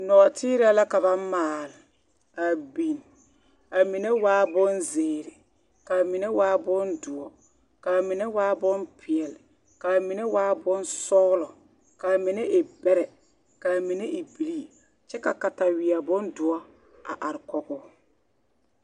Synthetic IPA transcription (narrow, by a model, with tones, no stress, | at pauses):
nɔ˨tʰɪː˦ɾa˦la˦ka˨ba˦maː˨l | a˨bi˨n | a˨mi˨ne˦waː˦bʊ˦nzeː˨ɾɪ˨ | ka˨mi˨ne˦waː˦bʊ˦ndʊ˨ɔ˨ | ka˨mɪ˨ne˦waː˦bʊ˦npʰɪ˨ɛ˨l | ka˨mi˨ne˦waː˦bʊ˦nsɔː˦lɔ˨ | ka˨mɪ˨ne˦ʔɪ˨bɛ˦ɾɛ˨ | ka˨mi˨ne˦ʔi˨bi˨li˦ | t͡ʃɛ˦ka˨ka˨ta˨wɪ˨a˨bʊ˦ndʊ˨ɔ˦ | a̰˨ʔa˨ɾɪ˨kɔ˨ɣʊ˦